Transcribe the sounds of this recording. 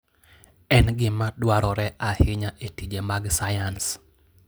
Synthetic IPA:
ɛnɡɪmadwaɾɔɾɛʔahɪɲaʔetid͡ʒemaɡsajans

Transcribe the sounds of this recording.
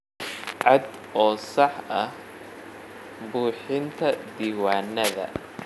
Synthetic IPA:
ʕɑd̪ | ʔɔːsɑħɐh | buːħɪnt̪ʰɐd̪iːwaːnːɐðɐ̰

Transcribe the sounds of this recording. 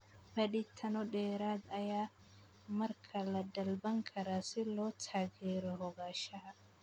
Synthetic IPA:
bɐɗɪt̪ʰɐnɔɖɛːɾaːd̪ɐjaː | mɐrkʰɐlɐd̪ɐlbɐŋkʰɐɾaːsɪlɔːt̪ʰaːɣɛːɾɔhɔɣaːʃɐɦɐ

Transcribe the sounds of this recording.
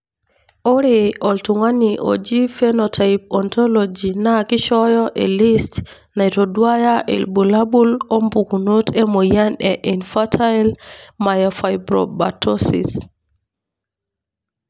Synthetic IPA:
ʔɔɾiʔɔltuŋaniʔɔ̰d͡ʒifɛnɔtʰajp̚ɔntɔlod͡ʒinakiʃɔjɔʔɛlist | najtodwajaʔɛ̰lbulabulɔmbukunotɛmɔjanɛʔinfatʰalmajɔfajbɾɔ̰ba̰tosḭs

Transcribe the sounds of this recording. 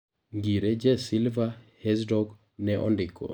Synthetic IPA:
ŋɡiɾed͡ʒɛsilvahɛsdɔɡ | nɛʔɔ̰ndɪkɔ̰

